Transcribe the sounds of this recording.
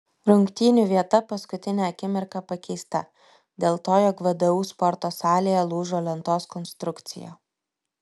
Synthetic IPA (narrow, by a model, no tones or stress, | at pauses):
ɾʊŋkt̪ʲiːnʲuʋʲiɛt̪ɐpɐskʊt̪ʲɪnʲɛɐkʲɪmʲɪɾkɑpɐkʲɛɪst̪ɐ̰ | d̪ʲeːlˠt̪oːjɔkʋʲɐd̪ɐʋuːspɔɾt̪oːsɑːlʲejɛlˠuːʒoːlʲɛnt̪oːskɔnst̪ɾʊkt̪sʲɪ̰jo̰ː